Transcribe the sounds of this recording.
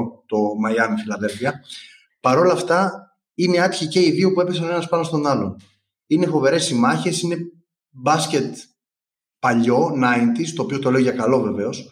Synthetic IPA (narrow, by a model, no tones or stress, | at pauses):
t̪o̞mɐjɐmifilɐðe̞lfiɐ | pɐɾo̞lɐːft̪ɐ | ineɐt̪çice̞iðiupue̞pesɐnoe̞nɐspɐnost̪o̞nɐlo̞n | ine̞fo̞ve̞ɾe̞simɐçe̞sine̞ | bɐsce̞t̪ | pɐʎo̞nɐint̪ist̪o̞ːpio̞t̪o̞le̞oʝɐkɐlo̞ve̞ve̞o̞s